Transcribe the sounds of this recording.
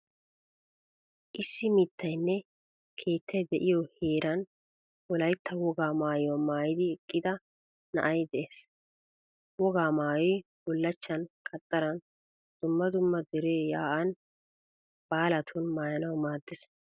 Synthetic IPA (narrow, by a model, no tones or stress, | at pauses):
ʔɪsːɪmit̪ːɐjnːɛ | kʰe̞ːt̪ːɐjd̪ɛʔɪjɔheːɾɐn | wɔlɐjt̪ːɐwɔɡaːmaːjwɔmaːjɪd̪ɪɛkʼːɪd̪ɐ | nɐ̰ʔɐjd̪ɛʔeːs | wɔɡaːmaːjɔj | bɔlːɐt͡ʃːɐnkʰʼɐt̪ʼːɐɾɐn | d̪̥ʊmːɐd̪ʊmːɐd̪ɪɾeːjaːʔɐn | b̥aːlɐt̪ʰʊnmaːjɐnɐwmaːd̪ːɛs